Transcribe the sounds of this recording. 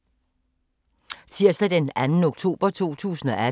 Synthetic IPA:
t͡sʰiɐ̰sd̥æd̥enænn̩o̝ɡ̥t͡sʰo̝̰ːb̥ɐt͡sʰo̝̰ːt͡sʰṵːsn̩ɒʔæ

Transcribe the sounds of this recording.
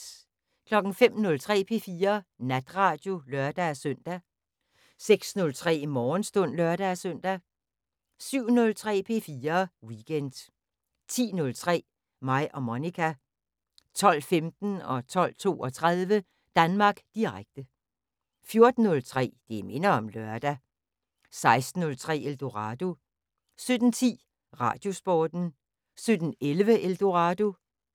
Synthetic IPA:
kʰlɒ̽ɡ̥n̩fem̰nɔ̽lt͡sʰʁɛ̰ːpʰe̝̰ːfiːɐnæd̥ʁɑ̈d̥jo̝lɶɐd̥æsøn̰d̥æ | seɡ̥snɔ̽lt͡sʰʁɛ̰ːmɒːnsd̥ɔ̽n̰lɶɐd̥æsøn̰d̥æ | syʊ̰nɔ̽lt͡sʰʁɛ̰ːpʰe̝ːfiːɐwiɡ̥en̰d̥ | t͡sʰḭːnɔ̽lt͡sʰʁɛ̰ː | mɑ̈ɪ̰ʔɒ̽monikʰæ | t͡sʰɒ̽l̰femd̥n̩ɒ̽t͡sʰɒ̽l̰t͡sʰo̝̰ːɒ̽t͡sʰʁaðˠʋə | d̥ænmɑ̈ːɡ̥d̥iʁaɡ̥̚d̥ə | fjo̝ɐd̥n̩ːɔ̽lt͡sʰʁɛ̰ːd̥eme̝nɐɒ̽mlœɐd̥æ | sɑ̈ɪsd̥n̩ɔ̽lt͡sʰʁɛ̰ːeld̥o̝ʁɑ̈ːd̥o̝ | sød̥n̩t͡sʰḭː | ʁɑ̰̈d̥jo̝sb̥ɒːd̥n̩ | sød̥n̩elʋəʔeld̥o̝ʁɑd̥o̝

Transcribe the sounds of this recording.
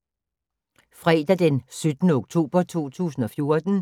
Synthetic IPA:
fʁɛːd̥æd̥ensød̥nəoɡ̥̚t͡sʰo̝̰ːb̥ɐt͡sʰo̝̰ːt͡sʰṵːsn̩ɒ̽fjo̝ɐd̥n̩

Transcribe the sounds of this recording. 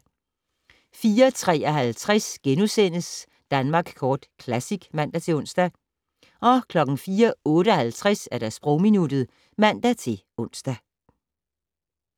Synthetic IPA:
fiːɐt͡sʰʁɛ̰ːɒɦælt͡sʰʁasɡ̥enusen̰əs | d̥ænmɑ̈ːɡ̥skʰɒːd̥kʰlæsiɡ̥mæn̰d̥æt͡sʰe̝ɔ̽n̰sd̥æ | ɒ̽kʰlɒ̽ɡ̥n̩fiːɐɔ̽ːɾəɒhælt͡sʰʁasæɐɾ̥æsb̥ʁɔʊminud̥ð̩ˠ | mæn̰d̥æt͡sʰe̝l | ɔ̽n̰sd̥æ

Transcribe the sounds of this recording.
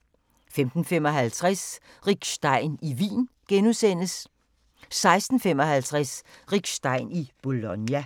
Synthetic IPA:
femd̥n̩fem̰ɒ̽ɦælt͡sʰʁɛs | ʁiɡ̥sd̥ɑ̈ɪniʋḭːnɡ̥enusen̰əs | sɑ̈ɪsd̥n̩fem̰ɒ̽hælt͡sʰʁɛsʁiɡ̥sd̥ɑ̈ɪnib̥o̝lɔnjæ

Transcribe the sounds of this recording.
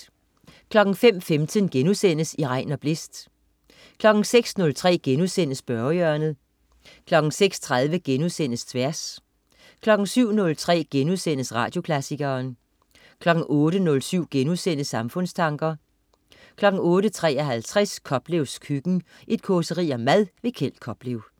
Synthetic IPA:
kʰlɒ̽ɡ̥n̩fem̰femt͡sʰənɡ̥enuðˠsen̰əsiʁɑ̈ɪ̰nɒ̽b̥le̝sd̥ | kʰlɒ̽ɡ̥ŋ̩seɡ̥snɔ̽lt͡sʰʁɛ̰ːɡ̥enuðˠsen̰əsb̥ɶɐjœɐnð̩ˠ | kʰlɒ̽ɡ̥ŋ̩seɡ̥st͡sʰʁað̞ˠʋəɡ̥enusen̰əst͡sʰʋæɐs | kʰlɒ̽ɡ̥n̩syʊ̰nɔ̽lt͡sʰʁɛ̰ːɡ̥enuðˠsen̰əsʁɑ̰̈ːd̥jo̝kʰlæsiɡ̥ɐːn | kʰlɒ̽ɡ̥ŋ̩ʔɔːɾənɔ̽lsyʊ̰ɡ̥enusen̰əsɑ̈mfɔ̽n̰st͡sʰɑ̈ŋɡ̥ɐ | kʰlɒ̽ɡ̥̩ɔ̽ːɾət͡sʰʁɛ̰ːɐɦælt͡sʰʁɛskʰɒ̽b̥leʊskʰyɡ̥n̩ | ʔe̝d̥̚kʰɔsəʁḭːɒmæðˠʋe̝kʰel̰d̥̚kʰɒ̽b̥leʊ

